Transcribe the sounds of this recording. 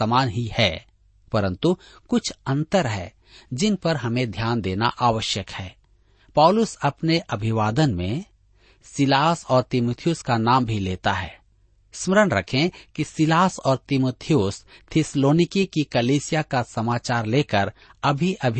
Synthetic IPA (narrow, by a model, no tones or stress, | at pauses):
əmaːnɦihɛ̰ː | pɐɾə̃nt̪u | kʊt͡ʃʰɐ̃nt̪əɾɦɛ̰ː | d͡ʒɪnpɐɾɦɐmẽd̪ʱjaːnd̪eːna̰ʔaːʋəʃjəkhɛː | pɔːʊlʊsɐpneʔɐbʱɪʋaːd̪ənmẽ | sɪlaːsɔːɾt̪ɪmuːt̪ʰijʊskanaːmbʱileːt̪aɦɛ̰ː | sməɾənɾɐkʰẽkisɪlaːsɔːɾt̪ɪmoːt̪ʰijʊst̪ʰɪsloːnɪkekikɐliːsɪjakasɐmaːt͡ʃaːɾleːkəɾɐbʱiʔɐbʱ